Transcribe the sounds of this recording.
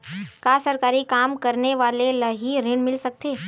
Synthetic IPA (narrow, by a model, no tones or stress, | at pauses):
kaːsɐɾkaːɾikaːmkɐɾneʋaːlelɐɦiɾɪɽmɪlsɐk̚t̪eː